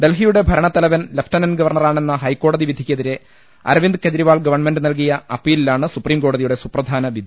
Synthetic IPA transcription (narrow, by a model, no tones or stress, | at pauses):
ɖe̞lɦijuɽe̞bʱɐɾɐɳɐt̪ːɐlɐʋɐnlefʈɐnɐnɡɐʋɐrɳɐraːɳe̞nːɐɦɐjkːo̞ːɽɐðiʋid̪ʱikʲːɐðiɾe̞ | ɐ̰ɾɐʋind̪ɨked͡ʑɾiʋaːɭɡɐʋɐrɳmenɖɨnɐlk̬ijɐɐpːiːlilːaːɳɨsupriːmko̞ːɽɐðijuɽe̞suprɐd̪ʱaːnɐʋid̪ʱ